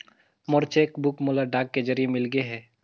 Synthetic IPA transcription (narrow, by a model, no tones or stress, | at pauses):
mɔɾt͡ʃeːkbʊkmolaɖaːkːed͡ʒɐɾijemɪlɡəeɦɛː